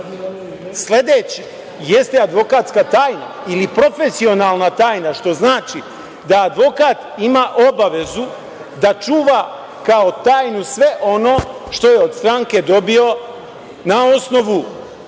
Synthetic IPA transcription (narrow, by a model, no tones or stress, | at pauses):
sle̞d̪eːt͡ɕe | jest̪ead̪ʋo̞kaːt̪skat̪aːjna̰ | ilipɾo̞fe̞sio̞naːlˠnat̪aːjnaʃt̪o̞znaːt͡ʃi | d̪aːd̪ʋo̞kaːt̪imaːʔo̞baʋe̞zu | d̪at͡ʃuːʋa | kao̞t̪aːjnusʋe̞ʔo̞no̞ːʃt̪o̞je̞o̞d̪st̪ɾaːŋke̞d̪o̞bio̞ | nao̞sno̞ʋu